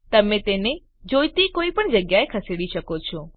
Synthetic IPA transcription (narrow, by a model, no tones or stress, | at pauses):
t̪ɐmẽt̪eːne | d͡ʑoːjt̪ikoːipəɳ̃d͡ʑɐɡjaekʰɐseɽiʃəkot͡ʃʰo